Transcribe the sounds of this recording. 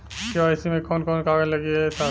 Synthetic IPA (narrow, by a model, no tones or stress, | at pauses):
koaɪsimẽkɔːnkɔːnkaːɡəlɐɡiɛsa